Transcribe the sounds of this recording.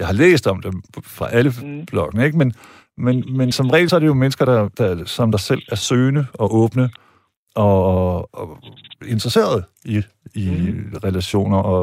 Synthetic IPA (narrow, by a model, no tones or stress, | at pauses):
jɑ̈ɪhɑ̈lḛːsd̥ɒ̽md̥emfʁɑ̈ʔæləb̥lɒ̽ɡ̥ənəe̝ɡ̥men | menmensɒ̽mʁɛ̰ːlsɒ̽æɐɾ̥ejo̝menəsɡ̥ɐɾ̥ɑ̈d̥ɑ̈sɒ̽md̥ɑ̈sel̰æɐsøːnəɒ̽ʔɔ̽ːb̥nə | ɒ̽ | e̝nd̥ʁɐse̝̰ːɐð̞ˠi | iʁɛlæɕo̝̰ːnɐʔɒ̽